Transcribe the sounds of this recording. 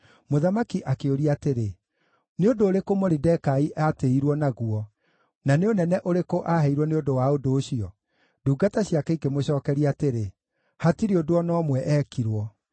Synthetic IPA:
moðamakiʔakeoɾiateɾe | neodoːɾekomoɾidɛkaiʔateiɾwɔnaɣuɔ | naneonɛnɛʔoɾekoʔaɦɛiɾwɔneondowaodoːɕiɔ | duːɡataɕjakɛikemoɕɔːkɛɾiateɾe | hatiɾeodoɔnɔːmwɛʔɛːkiɾwɔ

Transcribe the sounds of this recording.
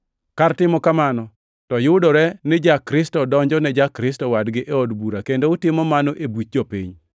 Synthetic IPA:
kartɪmɔkamanɔ | tɔjʊdɔɾɛnɪd͡ʒakɾɪstɔdɔɲd͡ʒɔnɛd͡ʒakɾɪstɔwadɡɪʔɛodbuɾakendoʊtɪmɔmanoʔebut͡ʃ̚d͡ʒopḭɲ

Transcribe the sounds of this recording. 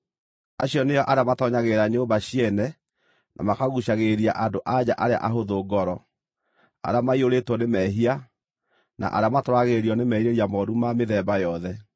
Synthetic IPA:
aɕjɔneɔʔaɾeamatɔɲaɣeɾaɲoːbaɕiɛnɛ | nʔa̰makaɣuɕaɣeɾiaʔadoʔad͡ʑaʔaɾea̰ʔaɦoðoːɡɔɾɔ | a̰ɾeamaioɾetwɔnemɛɦia | nʔa̰ʔa̰ɾeamatoɾaɣeɾiɔnemɛiɾeɾiamɔɾumameðɛbajɔðɛ

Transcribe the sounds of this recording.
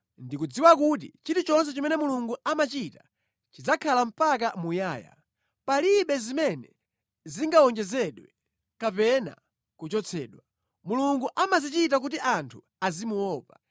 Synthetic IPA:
ndikud͡ziwak̬ut̬it͡ʃitut͡ʃɔns̬ɛt͡ʃɔmɛnɛmuluŋɡuamat͡ʃita | t͡ʃid͡zakʰalam̩pak̬amujaːja̰ | paliɓɛzimɛnɛ | ziŋɡaɔŋd͡ʒɛzɛɗwɛ | kapɛna̰ | kut͡ʃɔt͡sʰɛ̰ːɗwa | muluŋɡuʔamazit͡ʃit̬ak̬utiʔantʰu | azimuwɔːpa

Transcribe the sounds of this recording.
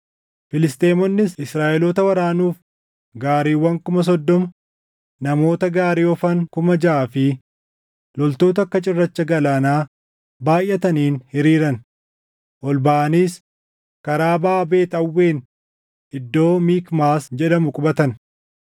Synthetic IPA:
fɪlɪst̪eːmɔnːɪsɪsɾaːʔɛlɔt̪ɐwɐɾaːnuːf | ɡaːɾiːwːɐŋkʊmɐs̬ɔd̪ːɔmɐ | nɐmo̞ːt̪ɐɡaːɾiːɔfɐŋkʊmɐd͡ʒaaːfɪ | lɔlt̪o̞ːt̪̬ɐkːɐt͡ʃʼɪrːɐt͡ʃːɐɡɐlaːnaː | baːjʔːɐt̪ɐniːnhɪɾiːɾɐn | ʔɔlbaʔɐniːs | kɐɾaːbaːbe̞ːt̪ɐwːe̞ːn | ɪd̪ːo̞ːmiːkmaːsd͡ʒɛᶑɐmʊkʼʊbɐt̪ɐn

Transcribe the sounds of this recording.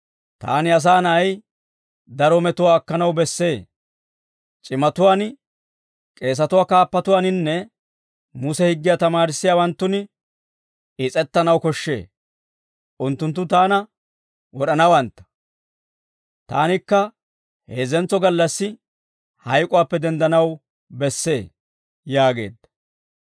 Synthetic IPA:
t̪a̰ːnɪɐs̬aːnɐɐj | d̪ɐɾɔmɛt̪ʊwaːkːɐnɐwbɛsːe̞ː | t͡ʃʼɪmɐt̪ʊwaːn | kʼe̞ːs̬ɐt̪ʊwaːkaːpːɐt̪ʊwaːnɪnːɛ | mʊsɛhɪɡːɪjaːt̪ɐmaːɾɪsːɪjaːwɐnt̪ːʊn | ɪt͡sʼɛt̪ːɐnɐwkɔʃːe̞̰ː | ʔʊnt̪ːʊnt̪̬ːʊt̪aːnɐ | wɔɗɐnɐwɐnt̪ːɐ̥ | t̪a̰ːnɪkːɐ | he̞ːzɛnt͡sːɔɡɐlːɐsːɪ | hɐjkʼʊwaːpːɛd̪ɛnd̪ɐnɐw | bɛsːḛː | jaːɡe̞̰ːd̪ːɐ̥

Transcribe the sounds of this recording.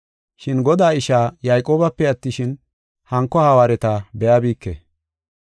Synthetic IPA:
ʃɪnɡɔd̪aːɪʃaːjɐjkʼo̞ːbɐpːɛɐt̪ːɪʃɪn | hɐŋkːɔhɐwaːɾɛt̪abɛjaːbiːkːḛ

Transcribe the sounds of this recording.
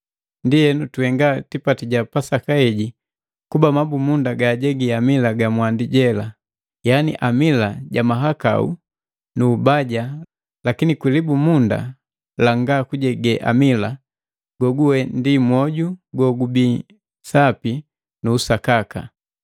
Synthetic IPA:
ndijɛnutuhɛŋɡatipatiɟapasakaɛɟi | kubamabumundaɡaːɟɛɡiamilaɡamwandiɟɛla | janḭʔamilaɟamaɦaka̰ṵ | nuːbaɟa | lakinikwilibumunda̰ | laŋɡakuɟɛɡɛʔa̰mila | ɡ̥ɔɡuwɛndimwɔɟuɡɔɡubi | sapi | nuːsakaka̰

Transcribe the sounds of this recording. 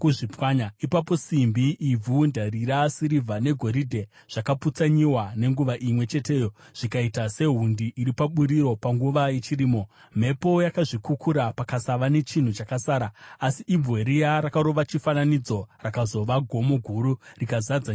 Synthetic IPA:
kuʐipwaɲaipap̬o̞simbiʔivundariɾasiɾivʱane̞ɡʱo̞ɾidʱe̞ | ʐ̥akaput͡saɲiwane̞ŋɡuʋaʔimwe̞t͡ʃe̞te̞ːjo̞ʐ̥ikaitase̞ɦundiʔːɾipaɓuɾiɾo̞paŋɡuʋaje̞t͡ʃiriːmo̞ | m̤e̞po̞jakaʐikukʰuɾapakasaʋane̞t͡ʃin̤ut͡ʃakasaːɾaasiʔːbb͡vʱwe̞ɾijaɾakaɾo̞ʋat͡ʃifananid͡zo̞rakazo̞ʋaɡʱo̞mo̞ɡʱuɾurikazad͡za

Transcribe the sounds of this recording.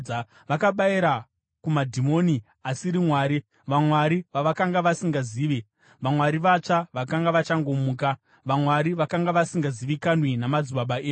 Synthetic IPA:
ʋakaɓaiɾa | kumadʱimo̞ni | asiɾimwaːɾi | ʋamwaɾiʋaʋakaŋɡaʋasiŋɡaziːʋe | ʋamwaɾiʋat͡ʂaʋakaŋɡaʋat͡ʃaŋɡo̞muːka | ʋamwaɾiʋakaŋɡaʋasiŋɡaziʋikanwenamad͡zuɓaɓaeː

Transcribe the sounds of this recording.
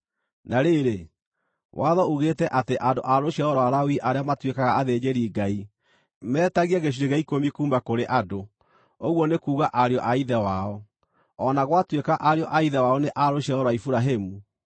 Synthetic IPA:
naɾeɾe | wʔaðɔuɣeːtɛʔateʔando̰ʔaɾoɕiaɔɾwaɾawiʔaɾeamatwekaɣaːðed͡ʑeɾiɡai | mɛːtaɣiaɣeɕ̬iɾeɣaikomikuːmbakoɾeʔado | oɣwɔnekuːɣaʔaɾjɔʔaiðɛwaɔ | ɔnaɣwatwekaʔaɾjɔʔaiðɛwaɔneʔaɾoɕaɔɾwaifuɾaɦemu

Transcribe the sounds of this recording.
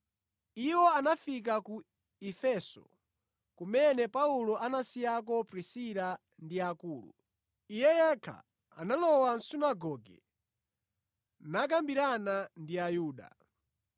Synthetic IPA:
iwɔanafik̬aku | ifɛsɔ̰ | kumɛnɛpaulɔʔanasijak̬ɔpɾisila | ndiakuːlṵ | ijɛjɛkʰa̰ | a̰nalɔwan̩sunaɡɔɡɛ̰ | nak̬ambiɾanandiajuːɗa̰

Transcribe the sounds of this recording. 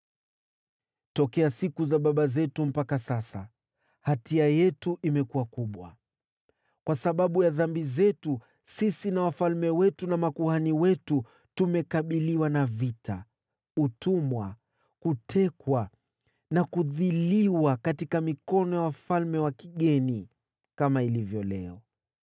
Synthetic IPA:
tɔkɛasikuzaɓaɓazɛtum̩pakasasa̰ | hatiajɛtuʔimɛkuwakuɓwa̰ | kwasaɓaɓujaðambizɛtu | sisinawafalmɛwɛtunamakuhaniwɛtu | tumɛkaɓiliwanavitʰa̰ | utumwa | kutʰɛkwa | nakuðiliwakatikamikɔnɔjawafalmɛwakiɠɛni | kamailivjɔlɛ̰ɔ

